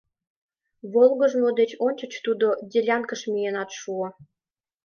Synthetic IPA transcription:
βolɣə̆ʒmod̪et͡ɕonʲt͡ɕə̆t͡ɕt̪ud̪odʲelʲɑnkə̆ʃmʲijenɑt̪ʃuo

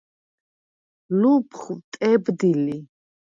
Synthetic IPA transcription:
lupʰχt̪ʼɛbd̪ili

